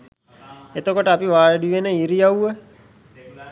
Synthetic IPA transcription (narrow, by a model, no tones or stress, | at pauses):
et̪okoʈəapiʋaːɭəɖiʋenəiɾijauʋə